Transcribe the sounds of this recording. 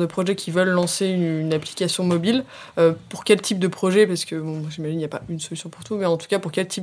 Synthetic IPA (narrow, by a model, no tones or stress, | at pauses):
d̪əpχɔʒɛkʲivœlːɑ̃seynapli̥kʲasjɔ̃mɔbil | øpuʁkʲɛlt̪ʰip̚d̪əpχɔʒɛpaʁsə̥kəbɔ̃mwaʒimaʒinijapaynsɔlysjɔ̃puʁt̪umɛɑ̃t̪u̥kʲapuʁkʲɛlt̪ʰip̚